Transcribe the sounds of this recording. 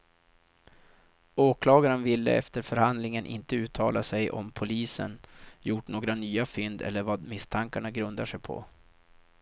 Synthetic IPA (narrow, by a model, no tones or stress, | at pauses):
oːkʰlɑːɡaɾənvɪlːə̰ɛ̰ft̪əɾfœɾhand̪lɪŋənʔɪ̰nt̪əʉ̟ːt̪ʰɑːlasɛjʔɔ̰mpʰʊliːsə̰njʊʈɳoːɡɾanyːafʏnd̪ɛ̰lːəɾvaːd̪mɪst̪ʰaŋkaɳaɡɾɵnd̪aʂɛjpʰɔ̰